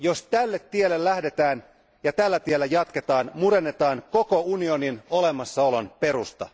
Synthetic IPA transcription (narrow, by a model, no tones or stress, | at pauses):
jost̪ælːe̞t̪ːielːelːæhde̞t̪æːn | jɑt̪ælːæt̪ielːæjɑt̪ke̞t̪ɑːnmuɾe̞nːe̞t̪ɑːŋko̞ko̞unio̞nino̞le̞mɑsːɑo̞lo̞npe̞ɾust̪ɑ̰